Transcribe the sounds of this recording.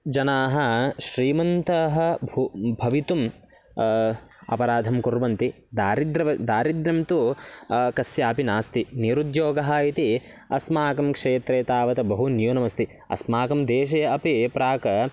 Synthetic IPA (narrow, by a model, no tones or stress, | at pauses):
d͡ʒɐnaːɦɐ̆ʃɾiːmɐnt̪ɐɦɐ̆bʱubʱɐʋit̪um | ɐ̰pɐɾaːd̪ʱɐmkuɾʋɐnt̪i | d̪aːɾid̪ɾɐʋɐd̪aːɾid̪ɾɐmt̪u | kɐsjaːpinaːst̪iniɾud̪joːɡɐɦɐit̪i | ɐ̰smaːkɐmkʂeːt̪ɾeːt̪aːʋɐt̪ɐbɐɦunjunɐmɐst̪i | ɐ̰smaːkɐmd̪eːʃ̬ɐjɐɐpipɾaːkɐ